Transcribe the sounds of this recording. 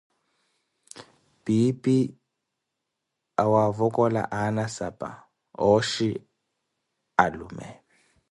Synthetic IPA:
bipi | awavɔkʼɔla̰ʔanasapʼa̰ | ɔʃi | alṵmɛ̰

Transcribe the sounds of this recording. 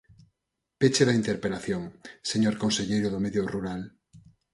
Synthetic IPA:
pet͡ʃeðaint̪eɾpelaθjoŋseɲoɾkonseʎejɾoðomeðjoruɾal

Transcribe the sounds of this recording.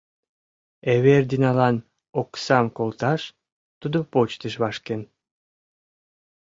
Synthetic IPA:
eβerd̪inɑlɑn | oksɑmkolˠt̪ɑʃ | t̪ud̪opot͡ɕt̪əʃβɑʃken

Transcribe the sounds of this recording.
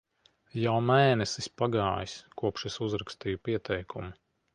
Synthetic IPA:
jawmɛjnɛsispaɡɑːjiskuɔpʃɛsuzɾakst̪ijupiɛt̪ʰɛjkʰumi

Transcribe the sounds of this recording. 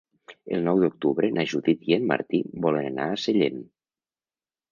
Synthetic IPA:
ə̰lˠnɔwðuk̚t̪uβɾənʔaʒud̪it̪jenma̰ɾt̪ibɔlənana̰ːseʎen

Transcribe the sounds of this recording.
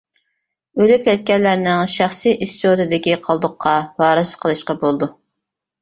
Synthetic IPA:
ølypɛt̪̚kʲɛɾlːæɾnɪŋʃæχsijʔist̪t̪ʰod̪ɨd̪ɪkʲiqʰɑlˠd̪ʊqʰːɑwɑːɾɨsqʰəlˠɨʃqɑbolˠd̪u

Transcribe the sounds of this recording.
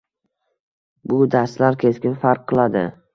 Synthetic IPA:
bʊd̪aɾslaɾkʲʰe̞skʲɪnfaɾqʰːɨlˠad̪ɪ̰

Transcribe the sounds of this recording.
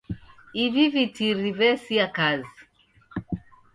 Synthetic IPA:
ivivitiɾivɛsiakazi

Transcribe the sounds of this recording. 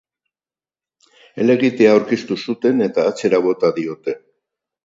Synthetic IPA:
e̞le̞ɣit̪e̞aːwɾkist̪usut̪e̞ne̞t̪aːt͡se̞ɾaβ̞o̞t̪aðio̞t̪e̞

